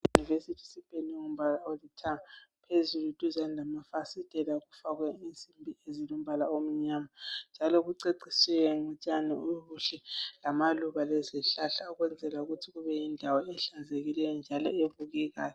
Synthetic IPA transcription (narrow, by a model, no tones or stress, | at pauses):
junivesitʰi̥sib̥ʱʼenuŋum̩βalaolitʰaapʰezulutʼuzanlʱamafasid̥ʼʱɛlaɣufaɣwɛint͡simbʱiezilom̩βalaom̩ɲamand͡ʒʱalɔɣuǀeǀisɛwɛŋut͡ʃʼanɛuɣuɬɛlamaluβalɛzɛɬaɬauɣwɛnd͡zʱɛlauɣutʰiɣuβɛjindʱawɔɛɬanzeɣilɛjɔnd͡ʒʱalɔ̰evuɣɛɣaːjɔ